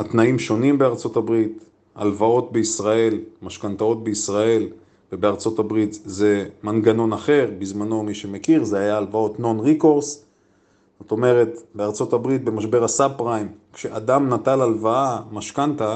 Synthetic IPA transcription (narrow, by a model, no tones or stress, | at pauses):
at̪naimʃo̞nimbe̞aʁt͡so̞tabʁit̪ | a̰lvao̞t̪̚be̞isʁae̞lmaʃkant̪ao̞t̪̚beisʁae̞l | vebeaʁt͡so̞tabʁit̪ze̞manɡano̞naχe̞ʁbizmano̞miʃe̞me̞kiʁzehajaːlvao̞tno̞nʁiko̞ʁs | zo̞t̪o̞me̞ʁe̞tbeaʁt͡so̞tabʁit̪̚be̞maʃbe̞ʁasabpʁajmkʃeʔad̪amnat̪alalvaamaʃkanta